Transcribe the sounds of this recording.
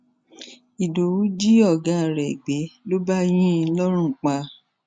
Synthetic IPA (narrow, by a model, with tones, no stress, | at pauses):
i˨do˨wu˨˦d͡ʒi˦ɔ˦˨ɡã˨˦˨ɾɛ˨ɡ͡be˨˦lo˦ba˦j̃ĩ˦˧˦lɔ˦ɾ̃ũ˦˨k͡pa˧